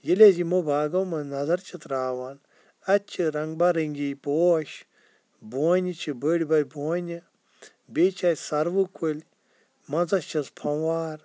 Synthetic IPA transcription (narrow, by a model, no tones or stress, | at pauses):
jilʲezimobaːɡɐwmɐnɐzɐɾt͡ʃʰit̪ɾaːwɐn | ɐt͡ʃʰɨɾɐŋɡbaɾɐŋɡipoːʃ | boːnʲit͡ʃʰibəɽʲbɐlʲboːnʲɨ | bet͡ʃʰajsɐɾʋɨkʰulʲ | mɐnzɐst͡ʃʰɐzpʰɐ̃waːɾ